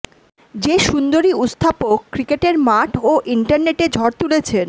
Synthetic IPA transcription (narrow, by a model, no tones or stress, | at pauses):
d͡ʑeʃund̪oɾiut̪st̪ʰapokːɾikeʈeɾmaʈʰoʔiɳʈaɾneʈed͡ʑʱɔɾt̪ulet͡ɕʰen